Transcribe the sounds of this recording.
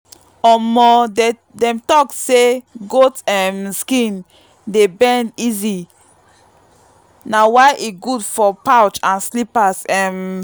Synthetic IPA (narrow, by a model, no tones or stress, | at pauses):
ɔmɔ | dɛ̃mtɔkseɡotɛmskĩn | debɛ̃ndizi | nawaɪʔiɡudfɔpawt͡ʃãnslipasɛm